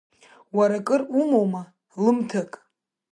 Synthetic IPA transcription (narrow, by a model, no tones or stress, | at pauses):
waɾakʼɨrumowma | lɨmtʰakʼ